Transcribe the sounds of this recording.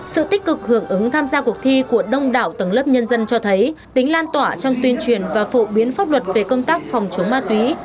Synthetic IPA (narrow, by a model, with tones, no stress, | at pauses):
sɨ̰˧˨t̪ï˦˥k̟̚kɨ˨˩k̚hɨ˧˩əŋʔɨ˨˦ŋt̪ʰaː˧mzaː˧ku˨˩ək̚t̪ʰi˧ku˧˩əɗə˧wŋ͡mɗa̰ː˧˨wt̪ə˨˧˩ŋləː˦˥p̚ɲə˧nzə˧nt͡ɕɔ˧t̪ʰə˨˦jt̪ï˨˦ŋ̟laː˧nt̪waː˧˩t͡ɕɔ˧wŋ͡mt̪wi˧ənt͡ɕwi˨˩ənvaː˨˩fo˧˩ɓi˨˦ənfaː˦˥p̚lwə˨˩t̚ve˨˩kə˧wŋ͡mt̪aː˦˥k̚fɔ˨˩wŋ͡mt͡ɕə˨˦ŋ͡mmaː˧t̪wi˨˦